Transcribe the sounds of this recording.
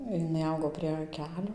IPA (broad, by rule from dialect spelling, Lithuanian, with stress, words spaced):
jɪˈnɐɪ ˈɐʊɡoː pʲrʲiɛ ˈkʲæːlʲoː